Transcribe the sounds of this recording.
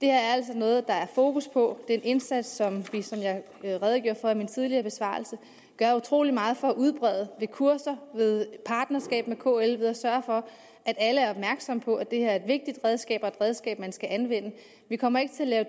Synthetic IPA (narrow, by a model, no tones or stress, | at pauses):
d̥e̝hæɐæɐæl̰sɒ̽nɔ̽ːð̞̩ˠd̥ɑ̈æɐfo̝ːkuspʰɒ̽d̥e̝ːne̝nsæd̥sːɒ̽mʋisɒ̽mjɑ̈ɪ | ʁɛð̞ˠɡ̥jo̝̰ɐ̰fɒimint͡sʰið̞ˠliɐːb̥e̝sʋɑ̰̈ːlsə | ɡ̥ɶɐut͡sʰʁo̝̰ːlimɑ̈ːð̞̩ˠfɒ̽ːʔuð̞ˠb̥ʁɛð̞ˠəʋe̝kʰuɐsɐʋe̝ð̞ˠpʰɑ̈ːd̥nɐsɡ̥ɛ̰ːb̥mekʰo̝̰ːelʋeðˠɒsɶɐfɒ̽ | ʔæd̥æləæɐɒb̥̚mæɐɡ̥sɒ̽mpʰɒ̽ʔæd̥e̝hæɐe̝d̥ʋe̝ɡ̥̚d̥id̥ʁɛðˠsɡ̥ɛ̰ːb̥ɒ̽e̝d̥ʁɛð̞ˠsɡ̥ɛ̰ːb̥mænsɡ̥æʔænʋen̰ə | ʋikʰɒ̽m̰ɐe̝ɡ̥ət͡sʰe̝ælɛːʊ